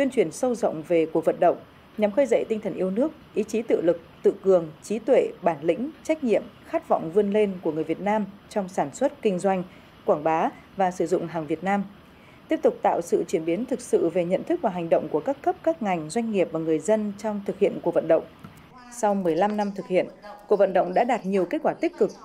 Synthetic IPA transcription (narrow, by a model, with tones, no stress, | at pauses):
t̪wi˧ənt͡ɕwi˧˩ənsə˧wzə̰˧˨wŋ͡mve˨˩ku˧˩əvə˨˩t̚ɗə̰˧˨wŋ͡m | ɲa˨˦mxəː˧jzə̰˧˨jt̪ï˧ŋ̟t̪ʰə˨˩nʔi˧əwnɨ˦˥ək̚ʔi˨˦t͡ɕi˨˦t̪ɨ̰˧˨lɨ˨˩k̚t̪ɨ̰˧˨kɨ˨˩əŋt͡ɕi˨˦t̪wḛ˧˨ɓaː˧˩nlï˧˥ŋ̟t͡ɕa˦˥jk̟̚ɲḭ˧˨əmxaː˦˥t̚vɔ̰˧˨wŋ͡mvɨ˧ənle˧nku˧˩əŋɨ˨˩əjvi˨˩ət̚naː˧mt͡ɕɔ˧wŋ͡msaː˧˩nswə˦˥t̚kï˧ŋ̟zwa˧jŋ̟ | kwaː˧˩ŋɓaː˨˦ | vaː˨˩sɨ˧˩zʊ̰˧˨ŋ͡mɦaː˨˩ŋvi˨˩ət̚naː˧m | t̪i˦˥əp̚t̪ʊ˨˩k͡p̚t̪a̰ː˧˨wsɨ̰˧˨t͡ɕwi˧˩ənɓi˨˦nt̪ʰɨ˨˩k̚sɨ̰˧˨ve˨˩ɲə̰˧˨nt̪ʰɨ˦˥k̚vaː˨˩ɦa˨˩jŋ̟ɗə̰˧˨wŋ͡mku˧˩əkaː˦˥kə˦˥p̚kaː˦˥k̚ŋa˨˩jŋ̟zwa˧ŋ̟ŋi˨˩əp̚vaː˨˩ŋɨ˨˩əjzə˧nt͡ɕɔ˧wŋ͡mt̪ʰɨ˨˩k̚hḭ˧˨ənku˧˩k̚və̰˧˨nɗə̰˧˨wŋ͡m | sa˧wmɨ˨˩əjla˧mna˧mt̪ʰɨ˨˩k̚hḭ˧˨ənku˨˩və̰˧˨nɗə̰˧˨wŋ͡mɗa̰ː˧˥ɗaː˨˩t̚ɲi˨˩əwke˦˥t̚kwaː˧˩t̪i˦˥k̚kɨ˨˩k̚